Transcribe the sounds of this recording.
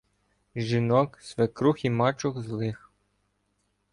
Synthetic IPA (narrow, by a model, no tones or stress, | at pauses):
ʒinɔksʋekɾuximɑt͡ʃʊxzlˠɪx